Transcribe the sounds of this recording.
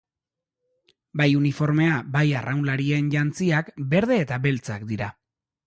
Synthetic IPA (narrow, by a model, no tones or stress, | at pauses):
bajunifo̞ɾme̞abajarʔawnlaɾie̞nʝant͡siakbe̞ɾð̞e̞ːt̪abe̞lt͡sa̰kd̪iɾa